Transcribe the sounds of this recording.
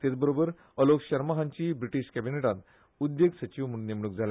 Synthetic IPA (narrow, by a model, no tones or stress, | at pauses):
t̪et͡sbəɾobəɾ | əlokɕəɾmaɦãɲt͡ɕiːbɾiʈiɕkæbineʈãnt̪ | ud̪jeɡsət͡ɕiʋmuɽnemɽ̃uk̚d͡zʱala